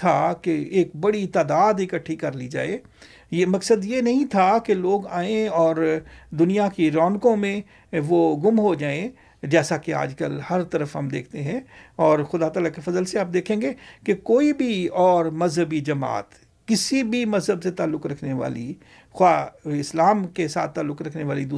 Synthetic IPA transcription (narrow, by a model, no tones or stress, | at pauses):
t̪ʰakeeːk̚bɐɽit̪aːd̪aːd̪ɪkəʈʰːikɐɾlid͡ʒa̰ːe | jemɐksəd̪jenɐɦĩt̪ʰakeloːɡaːẽɔːɾd̪ʊnijakiɾɔːnkõmẽ | ʋoɡʊmɦod͡ʒaːẽ | d͡ʒɛːsakea̰ːd͡ʒkə̰lhɐɾt̪ɐɾəfɦɐmd̪ḛːk̚ʰt̪eɦɛ̃ɔːɾxʊd̪at̪aːlakefɐzəlseaːp̚d̪eːkʰẽːŋɡekekoːibʱiɔːɾmɐzɦəbid͡ʒɐma̰ːt̪ | kɪsibʱimɐzɦəbset̪aːlːʊkɾɐkʰneʋa̰ːlḭ | xwaːɪslaːmkesa̰ːt̪ʰːaːlːʊkɾɐkʰneʋaːlid̪uː